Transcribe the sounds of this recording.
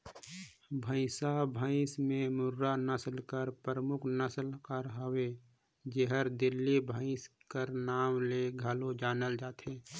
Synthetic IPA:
bʱə̃ɪ̃sabʱə̃ɪsmẽmʊɾːanəslkəɾpəɾəmʊkʰnəslkəɾɦəwe | d͡ʒeɦəɾd̪ɪlːibʱə̃ɪ̃skəɾnaːmleɡʱalod͡ʒaːnəld͡ʒaːt̪ɦeː

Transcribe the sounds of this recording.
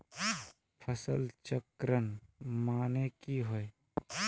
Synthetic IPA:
pʰəsə̰lt͡ʃəkɾənmaːnekiɦoe

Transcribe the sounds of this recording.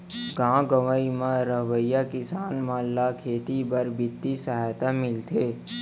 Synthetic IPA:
ɡãːɡəʋaimãɾəɦʋəjakɪsaːnmalːakʰeːt̪ibəɾbɪt̪ːisəɦajt̪amɪlt̪ʰeː

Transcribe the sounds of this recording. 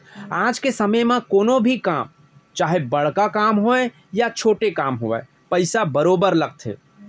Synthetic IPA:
aːd͡ʒkesəməjmẽkoːnobʱikaːm | t͡ʃaːɦebəɽ̤kakaːmɦoe | jat͡ʃʰoːʈekaːmɦoɛ̰ː | pəɪsabəɾoːbəɾləɡ̚t̪ʰḛː

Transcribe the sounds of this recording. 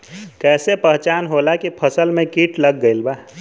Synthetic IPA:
kɛːsepəɦt͡ʃaːnɦoːlakipʰəsəlmẽkiːʈʰləɡːəɪilbaː

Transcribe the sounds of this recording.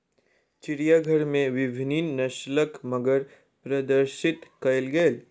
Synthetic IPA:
t͡ʃɪɾijaɡʱəɾmẽʋɪbʱɪniːnnɐʃləkməɡəɾ | pɾɐd̪əɾʃɪt̪kɐɪlɡeːl

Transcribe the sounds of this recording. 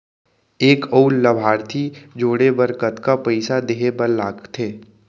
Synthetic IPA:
eːkəullɐbʱaːɾt̪ʰid͡ʒoːɽebəɾkət̪kapəɪsad̪eːɦebəllaːkt̪ʰeː

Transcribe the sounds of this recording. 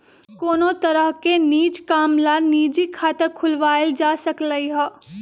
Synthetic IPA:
koːnõt̪ɐɾəɦkeniːd͡ʒkaːmlaniːd͡ʒikʰaːt̪əkʰʊlʋaːld͡ʒaːsɐkləiɦɛː

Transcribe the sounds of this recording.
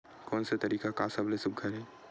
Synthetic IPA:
kɔːnsat̪ɐɾiːkakaːsɐblesʊb̚ɡʱəɾẽː

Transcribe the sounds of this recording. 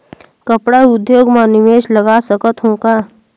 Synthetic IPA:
kəpɽaʊd̪joːɡmãnɪʋeːʃləɡaːsəkət̪ɦõːkaː

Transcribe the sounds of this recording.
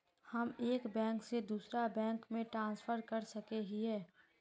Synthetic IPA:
həmeːkbɛ̃ːŋksed̪uːsɾabɛ̃ːŋkmẽʈɾãːnspʰəɾkəɾsəkeɦiɦɛː

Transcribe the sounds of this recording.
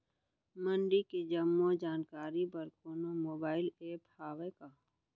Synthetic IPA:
mə̃ɳɖiked͡ʒəmːod͡ʒaːnkaːɾibɐɾkoːnomoːbaːɪleːphaːʋekaː

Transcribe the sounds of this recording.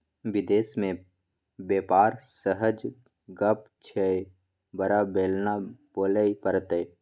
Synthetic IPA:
ʋɪd̪eːsmẽ | beːpaːɾsəɦəd͡ʒ | ɡəp | t͡ʃʰe | bəɾabeːlnaboːləipəɾt̪eː

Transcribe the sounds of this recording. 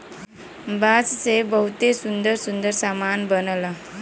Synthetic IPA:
bad͡zsebəɦut̪esund̪əɾsund̪əɾsamanbənəla

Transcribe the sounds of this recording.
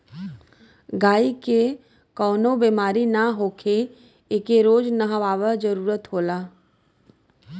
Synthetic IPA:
ɡaːike | kɔːnobeːmaːɾinaɦoːkʰe | ekeɾoːd͡ʒnəɦəʋaːʋəd͡ʒəɾuːɾət̪ɦoːlaː

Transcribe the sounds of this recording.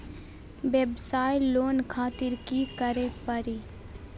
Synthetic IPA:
ʋebsaːjloːnkʰaːt̪ɪɾkikəɾẽpɐɾiː

